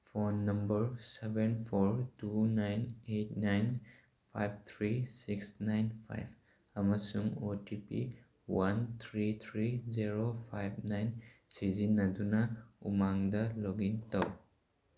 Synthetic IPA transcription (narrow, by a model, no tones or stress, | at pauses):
fʰonːɐmbɐɾsebenpʰoɹtunajnet̚najn | pʰa̰jb̚t̪ʰɾisiksnajnpʰa̰jb | ɐmɐsuŋotipḭ | want̪ʰɾit̪ʰɾiziɾopʰajb̚ʱnajnsizinːɐd̪unaṵmaŋdɐloɡintaw